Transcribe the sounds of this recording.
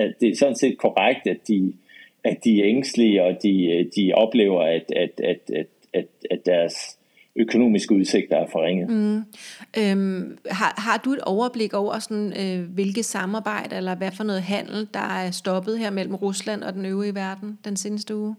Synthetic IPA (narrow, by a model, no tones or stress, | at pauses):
æd̥e̝æɐsɒ̽n̩se̝̰ːd̥̚kʰɒʁaɡ̥̚d̥ædd̥i | æd̥iæeŋsd̥liəɒd̥id̥iɒ̽b̥le̝ːʊɐæd̥æd̥æd̥æ̥ | æd̥æ̥æɐs | økʰo̝no̝̰ːmisɡ̥əuðˠse̝ɡ̥̚d̥ɐæɐfɒʁeŋ̰ð̩ˠ | ʔømɦɑ̈ɦɑ̈d̥ue̝d̥ɒʊɐb̥le̝ɡ̥ɒʊ̰ɐsɒ̽nøʋe̝lɡ̥ð̩ˠsɑ̈mɑ̈ːb̥ɑ̈ɪ̰d̥əelɐʋæfɒ̽nɔ̽ːð̩ˠɦæn̰l̩d̥ɑ̈æɐsd̥ɒ̽b̥əð̩ˠɦeɐ̰mel̰m̩ʁuslæn̰ɒ̽d̥enøʊʁiʋæɐd̥n̩d̥ense̝ːnəsd̥əuː